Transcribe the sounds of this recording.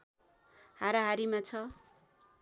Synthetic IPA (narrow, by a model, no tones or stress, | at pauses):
haɾaɦaɾimat͡sʰʌ